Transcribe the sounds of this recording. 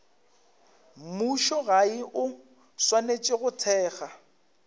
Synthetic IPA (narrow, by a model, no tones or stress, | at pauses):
muʃɔɣaɪʔʊ | swanet͡ʃʼɪɣʊtʰɛːɣa